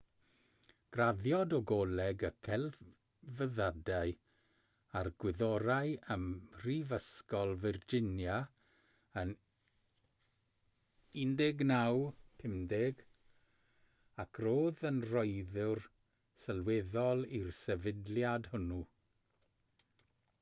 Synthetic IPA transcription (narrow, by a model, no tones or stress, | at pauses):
ɡ̥raðjɔdɔɡɔlɛɡəkʰɛlˠ | vəðadaɨ | arɡwɪðɔɾajʔəmr̥ivəskɔlˠvɪrd͡ʒɪnja | ən | indɪɡnawpʰɪmdɪɡ | akʰroːðənrɔɨðʊr | səlˠweðɔlˠirsɛvɪdljadhʊnu